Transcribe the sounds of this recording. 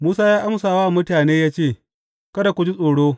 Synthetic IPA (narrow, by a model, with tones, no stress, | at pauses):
muː˦saː˦jaː˦ʔa˦msaː˨waː˦˨mʊ˦taː˨neː˦jaː˦t͡ʃeː˦˨ | kɐ˦da˨kʷʊ˨d͡ʒi˦sʼoː˨ɽoː˦